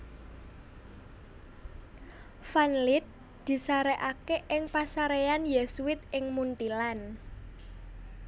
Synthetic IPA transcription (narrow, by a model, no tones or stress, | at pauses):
fanlɪt̪̚ | d̪̥i̤saɾeʔakeʔɪŋpasaɾeanjɛsuwɪt̪̚ɪŋmunt̪ilan